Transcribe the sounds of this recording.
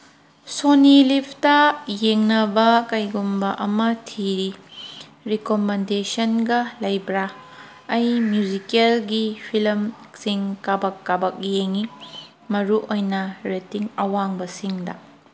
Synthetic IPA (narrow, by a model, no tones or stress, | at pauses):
sonilipʰtɐjeŋnɐbɐkɐjɡumbɐʔɐmɐtʰiɾi | ɾikomendesɐnɡɐlɐjbɾa | ɐjmjud͡ʒikelɡipʰilɐmsiŋkabɐkːabɐk̚jeŋi | mɐɾuʔojnɐɾetiŋɐwaŋbɐsiŋdɐ